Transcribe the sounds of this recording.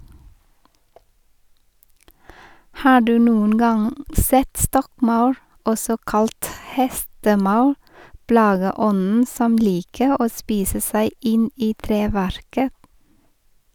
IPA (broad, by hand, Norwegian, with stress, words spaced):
ˈhɑː ˈɖʉː ˈnuːən ˈɡɑŋ ˈsɛt ˈstɔkˌmɑʉɾ ˈɔsɔ ˈkɑlt ˈhɛstəˌmɑʉ ˈplɑːɡəˌɔnn̩ ˈsɔm ˈliːkə ˈoː ˈspiːsə ˈsæɪ ˈɪn ˈiː ˈtɾeːʋæɾkə